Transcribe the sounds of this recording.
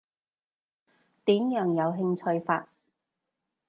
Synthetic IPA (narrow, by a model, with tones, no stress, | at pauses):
t̪iː˨˥mjœː˨˧ŋjɐ˨˧wɦɪ˧ŋt͡ʃʰɵ˧ɥfa̰ː˧t̚